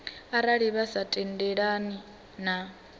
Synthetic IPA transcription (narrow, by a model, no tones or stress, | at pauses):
aɾaɺiβasatʼɛndɛɺani | na